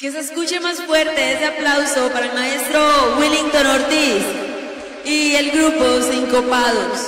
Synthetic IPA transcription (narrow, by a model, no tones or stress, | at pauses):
kes̬eskut͡ʃe̞masfwe̞ɾt̪e̞eseaplawso̞paɾaelmae̞st̪ɾowiliŋt̪onoɾt̪is | ielɡɾuposiŋkopaðos